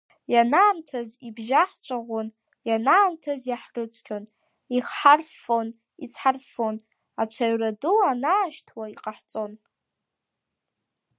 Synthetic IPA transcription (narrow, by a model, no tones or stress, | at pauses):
janaːmtʰazibʒaħt͡ʃʷʰʼaʁʷon | janaːmtʰazjaħrɨt͡sʷʰʼkʲʰʼon | iχħarfo̞n | it͡sʰħarfo̞n | at͡ʃʷʰaɥraduanaːʃtʰwaiqʼaħt͡sʼo̞n